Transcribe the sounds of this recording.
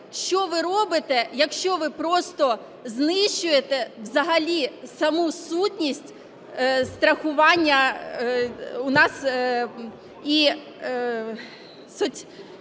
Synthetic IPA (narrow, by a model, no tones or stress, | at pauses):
ʃt͡ʃɔʋɪɾɔbɪt̪ɛjɐkʃt͡ʃɔʋɪpɾɔst̪ɔ | znɪʃt͡ʃʊjet̪ɛwzɐɦɐlʲisɐmusutʲnʲisʲtʲ | st̪ɾɐxʊʋɑnʲːɐ | ʊnɑs | i | sɔtʲ